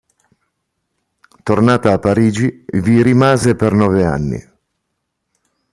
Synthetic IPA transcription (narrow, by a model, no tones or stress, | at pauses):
t̪ornaːt̪aːpːaɾiːd͡ʒiviɾimaːzepernɔːvea̰nːḭ